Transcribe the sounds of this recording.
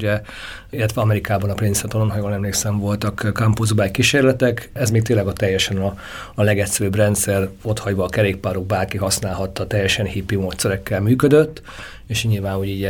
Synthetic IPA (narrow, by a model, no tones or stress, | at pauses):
ɟɛ | ilːɛt̪ʋɛɒmɛɾikaːbɒnɒprinsɛt̪olonɦɒjoːlɛmleːksɛɱvo̞lt̪ɒkkampozbaːjkiʃeːrlɛt̪ɛkɛzmeːk̚t̪eːlːɛɡɒt̪ɛjːɛʃɛnɒː | lɛɡɛt̪sɛɾybrɛnt̪sɛro̞t̪hɒɟʋɒːkɛɾeːk̚paːɾoɡ̚baːrkiɦɒsnaːlɦɒt̪ːɒt̪ɛjːɛʃɛnhipːimoːt̪sɛɾɛkːɛlmyːkød̪øt̪ː | eːʃɲilvaːnuɟiːɟ